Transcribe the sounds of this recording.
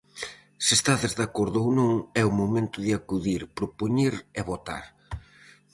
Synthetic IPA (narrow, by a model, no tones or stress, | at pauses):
sest̪aðezðakoɾðʊownõŋɛumomẽnt̪ʊðɪakuðiɾpɾopuɲiɾeβot̪a̰ɾ